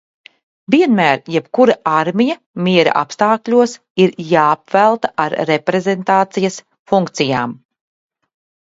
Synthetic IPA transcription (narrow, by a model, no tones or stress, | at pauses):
viɛnmæːɾjɛpkuɾaaɾmijɐ | miɛɾa̰ʔa̰pst̪aːklʲuɔs | iɾjaːpvælˠt̪aaɾɾepɾezent̪aːt̪sijɐs | fuŋkt̪sijaːm